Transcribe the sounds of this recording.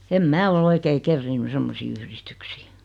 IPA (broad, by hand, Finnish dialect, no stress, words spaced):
em mæː ol oikei kerːiːnːy semːosiː yhristyksiː